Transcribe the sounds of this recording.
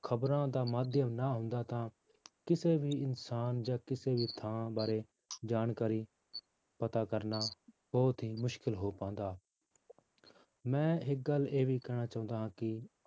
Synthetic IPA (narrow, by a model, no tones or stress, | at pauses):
kʰəbɾãːd̪aːmaːd̪ʱjəmnaːɦʊ̃nd̪aːt̪ãː | kɪseːbʱiːɪnsaːnd͡ʒaːkɪseːbʱiːt̪ʰãːbaːɾeː | d͡ʒaːnkaːɾiː | pət̪aːkəɾnaː | b̥ɔːt̪ɦiːmʊʃkɪlɦoːpãːnd̪aː | mɛ̃ːɦɪk̚ɡəlːeːbʱiːkɛːɽ̃aːt͡ʃaːʊ̃nd̪aːɦãːkɪ